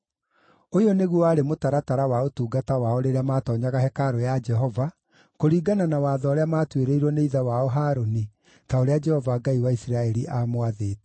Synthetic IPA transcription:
ojoneɣwɔaɾemotaɾataɾawaotuːɡatawaɔɾeɾeamatɔɲaɣaɦɛkaɾojad͡ʒɛɦɔva | koɾiːɡananawaðɔːɾeamaːtweɾeiɾwɔneiðawaɔɦaːɾoni | taoɾead͡ʒɛhɔvaɡaiwaisiɾaɛɾiʔamwaðeːtɛ

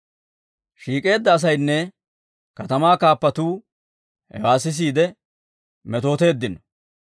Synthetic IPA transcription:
ʃiːkʼe̞ːd̪ːɐːs̬ɐjnːɛ | kɐt̪ɐmaːkaːpːɐt̪uː | hɛ̰waːsɪs̬iːd̪ɛ | mɛt̪o̞ːt̪e̞ːd̪ːɪnɔ̥

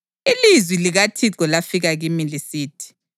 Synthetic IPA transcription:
ilizwiliɣatʰiǀɔlafiɣaɣimilisiːtʰi̥

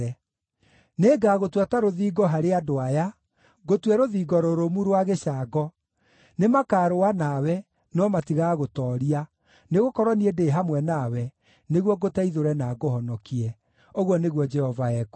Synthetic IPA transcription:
ɛ | neːɡaɣotwataɾoðiːɡɔɦaɾeadoaja | ɣotwɛɾoðiːɡɔɾoɾomuɾwaɣeɕaːɡɔ | nemakaːɾowanawɛ | nɔmatiɣaɣotɔːɾia | neɣokɔɾwɔniɛdeːɦamwɛnawɛ | neɣwɔɡotaiðoɾɛnaɡohɔnɔkiɛ | oɣwɔneɣwɔd͡ʒɛhɔvaɛku̥

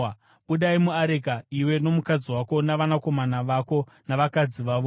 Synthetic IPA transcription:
ɓuɗaimuaɾek̬aiwe̞no̞mukad͡ziwako̞naʋanako̞manaʋako̞ | naʋakad͡ziʋaːʋo

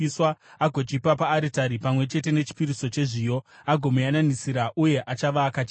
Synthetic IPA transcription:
iswaaɡʱo̞t͡ʃipapaːɾitaɾipamwe̞t͡ʃe̞te̞ne̞t͡ʃi̥piɾiso̞t͡ʃe̞ʐiːjo̞aɡʱo̞mujananisiɾaʔuje̞ʔat͡ʃaʋaːkat͡ʃː

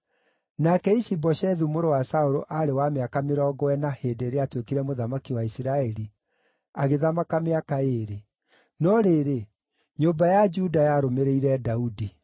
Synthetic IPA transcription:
nakɛiʃibɔʃɛðumoɾowasaoɾoʔaɾewameakameɾɔːɡɔwɛnaheːdeɾeatwekiɾɛmoðamakiwaisiɾaɛɾi | aɣeðamakameakaeːɾe | nɔɾeɾe | ɲombajad͡ʒudajaɾomeɾeiɾɛdaudi

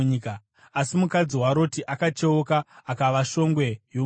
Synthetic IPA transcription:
ɲika | asimukad͡ziɦwaɾo̞tiʔakat͡ʃe̞okaːkaʋaʃo̞ŋɡwe̞jo

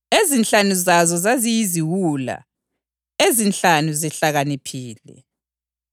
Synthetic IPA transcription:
ezint͡ɬanuzazɔzazijiziwula̰ | ezint͡ɬanuzɛɬaɣanipʰiːlɛ̰

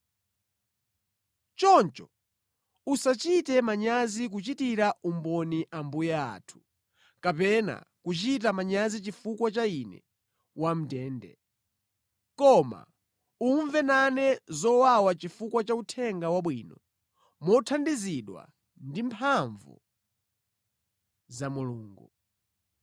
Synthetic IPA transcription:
t͡ʃɔnt͡ʃɔ | usat͡ʃitɛmaɲazik̬ut͡ʃitiɾaʔumbɔniʔambujaa̰tʰu̥ | kapɛna̰kut͡ʃit̬amaɲazit͡ʃifukwat͡ʃainɛ̰ | wam̩tɛːndɛ̰ | kɔma̰ | uɱvɛnanɛzɔwawat͡ʃifukwat͡ʃautʰɛŋɡawaɓwinɔ | mɔtʰandiziɗwa̰ | ndimpʰaɱvṵ | zamuluːŋɡu

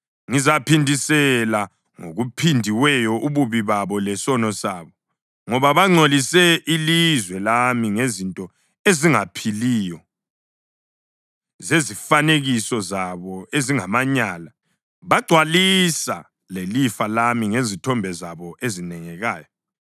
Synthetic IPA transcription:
ŋizapʰindʱisɛla | ŋo̰ɣupʰindʱiwɛjɔʔuβuβiβaβɔlɛsɔnɔsaβɔ | ŋɔβaβaŋ͡ǀʱolisɛʔilizwɛlamiŋezintʼɔ | eziŋapʰilijɔ | zezifaneɣisɔzaβɔeziŋamaɲaːla | βaɡ͡ǀʱwalisa̰ | lelifalamiŋezitʰɔmbʱɛzaβɔʔezinɛŋɛɣaːjɔ

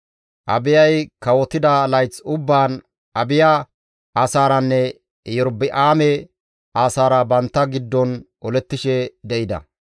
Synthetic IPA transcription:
ʔɐ̰bɪjɐjkɐwɔt̪ɪd̪ɐlɐjt͡sːʊbːaːn | ɐbɪja | ʔaːsaːɾɐnːɛ | jɔɾbɪʔaːmɛ | ʔaːsaːɾɐbɐnt̪ːɐɡɪd̪ːɔnʔɔlɛt̪ːɪʃɛd̪ɛʔɪd̪ɐ̰

